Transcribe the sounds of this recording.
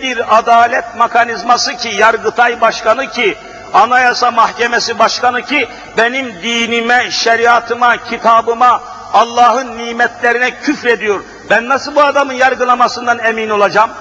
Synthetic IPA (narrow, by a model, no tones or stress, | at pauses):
biɾad̪aːlʲɛt̪̚makʰanizmasɯcʰijaɾɡɯt̪ʰajbaʃkanɯcʰi | anajasamahcemɛsibaʃkanɯcʰi | benimd̪iːnimɛʃɛɾijat̪ʰɯmacʰit̪ʰaːbɯmaː | lˠːɑːɦɯnːiːmɛt̪ʰlʲeɾinɛcʰyfɾed̪ijo̞ɾ | bænːasɯlˠbuad̪amɯnjaɾɡɯlˠamasɯnd̪anemino̞lˠad͡ʒam